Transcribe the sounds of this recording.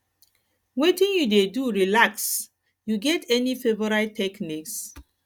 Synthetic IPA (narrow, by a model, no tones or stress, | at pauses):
wetĩnjudeduɹilaks | juɡɛtʰɛnifevɔɹatʰɛkniks